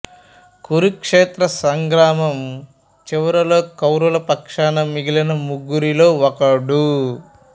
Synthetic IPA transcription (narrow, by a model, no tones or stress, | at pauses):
kuɾukʂeːt̪ɾɐsɐŋɡɾaːmɐm | t͡ʃiʋɐɾɐlo̞ːkɐwɾulɐpɐkʂaːnɐmiɡilɐnɐmuɡːuɾilo̞ːɔkɐɽu